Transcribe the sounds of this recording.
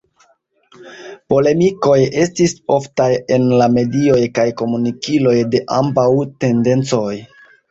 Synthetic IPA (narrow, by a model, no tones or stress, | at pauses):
po̞le̞miko̞je̞stiso̞ftajenlame̞dio̞jkajko̞munikilo̞jde̞ʔambawte̞nde̞nt͡so̞j